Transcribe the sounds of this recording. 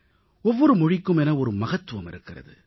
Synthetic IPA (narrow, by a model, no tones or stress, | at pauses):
ɔʋːɔɾɯmɔɻɪkːɯmɛnɐɔɾɯmɐɣɐt̪ːɯʋɐmɪ̰ɾɯkːɪrɐ̰ðɯ̰